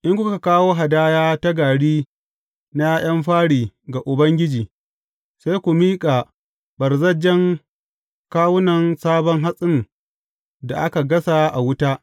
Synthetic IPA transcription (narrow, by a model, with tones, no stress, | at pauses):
ʔɪ˦ŋkʷʊ˦kka˨kaː˦woː˦ɦa˨daː˦jaː˦ta˦ɡaː˨ɽiː˦ | na˦j̰ɐ˦mɸaː˦ɽiː˨ɡa˨ʔʊ˨bɐ˦ŋɡʲɪ˦d͡ʒiː˨ | sa˦jkʷu˨miː˦kʼa˨ | bɐ˨rzɐ˦d͡ʒɛ˦ŋ | kaː˦wʊ˦nɐ˨nsaː˦bɔ˦ŋɦa˦sʼɪ˦n | da˨ʔa˦ka˨ɡɐ˦sa˦ʔa˨wʊ˦taː˦ʔ